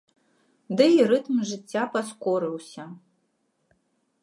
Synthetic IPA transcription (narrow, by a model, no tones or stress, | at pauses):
d̪ɨirɨt̪mʐɨt͡sʲːapɐskoɾɨwsʲɐ